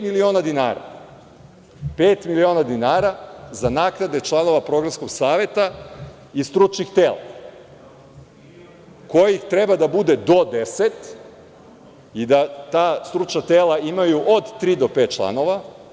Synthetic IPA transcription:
milioːnad̪inaːɾa̰ | peːt̪milio̞ːnad̪inaːɾazanaːknad̪e̞t͡ʃlˠano̞ʋapɾo̞ɡɾamsko̞ɡ̥saːʋe̞t̪a | ist̪ɾut͡ʃnixt̪eːla̰ | ko̞jixt̪ɾe̞bad̪abud̪e̞d̪o̞d̪eset̪ | id̪at̪aːst̪ɾut͡ʃnat̪eːlaimajuʔod̪t̪ɾiːd̪o̞peːt̪̚t͡ʃlˠa̰no̞ʋa

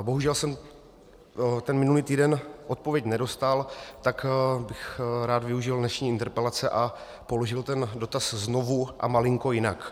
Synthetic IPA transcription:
bo̞ɦuʒɛlsɛm | t̪ɛnmɪnuliːt̪iːdɛnʔot̪̚povjɛcnɛdo̞st̪alt̪akbɪxɾaːd̪vɪuʒɪldnɛʃɲiːɪnt̪ɛɾpɛlat͡sɛʔa | po̞loʒɪlt̪ɛndo̞t̪aszno̞vuʔa̰malɪŋko̞jɪnak

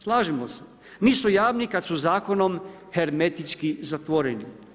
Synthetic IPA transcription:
slˠaːʒemose̥ | niːsujaːʋnikad̪suzaːkono̞m | heɾmet̪it͡ʃkizat̪ʋoɾenḭ

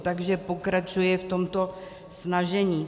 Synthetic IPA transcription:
t̪aɡʒɛpo̞kɾat͡ʃujɛft̪o̞mt̪o̞ | snaʒɛɲiː

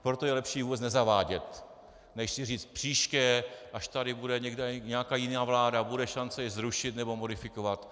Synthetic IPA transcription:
pɾot̪o̞jɛlɛpʃiːvubɛt͡snɛzavaːɟɛt̪ | nɛxsɪriːt͡st̪̚pr̝̥iːʃkɛːʔaʃt̪aɾɪbudɛɲɛɡdɛɲɛakaːjɪnaːvlaːdabudɛʃant͡sɛjɛzɾuʃɪt̪nɛbo̞mo̞dɪfɪkovat̪

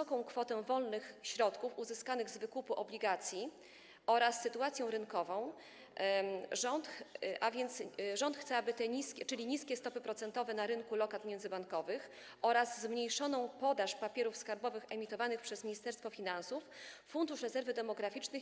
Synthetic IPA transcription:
ɔkɔ̃w̃kfɔt̪ɛw̃vɔlnɘxɕɾɔt̪kufuzɘskanɘɣzvɘkupuʔɔblʲiɡat̪sʲji | ɔɾasːɘt̪uat̪sʲjɔ̃w̃ɾɘnkɔvɔ̃w̃ | ʐɔnt̪ʔavʲjɛnt̪sʐɔnt̪xt̪sɛabɘt̪ɛɲiskʲɛt͡ʂɘlʲiɲiskʲɛst̪ɔpɘpɾɔt̪sɛnt̪ɔvɛnaɾɘnkulɔkat̪mʲjɛnd̪zɘbaŋkɔvɘx | ʔɔɾazzmɲejʂɔnɔ̃w̃pɔd̪aʂpapʲjɛɾufskaɾbɔvɘxɛmʲit̪ɔvanɘxpʂɛzmʲiɲist̪ɛɾst̪fɔfʲinansufː | und̪uʂɾɛzɛɾvɘd̪ɛmɔɡɾafʲit͡ʂnɘ

